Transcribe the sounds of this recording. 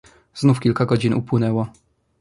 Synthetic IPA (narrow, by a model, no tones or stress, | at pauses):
znufkʲilkaɡɔd͡ʑinṵpwɘnɛwɔ